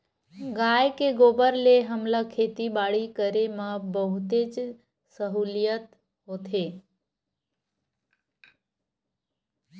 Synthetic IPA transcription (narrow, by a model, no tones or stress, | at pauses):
ɡaːjkeɡoːbəɾleɦəmlakʰeːt̪ibaːɽikəɾemãbəɦʊt̪ed͡ʒ | səɦuːlijət̪ | ɦoːt̪ʰeː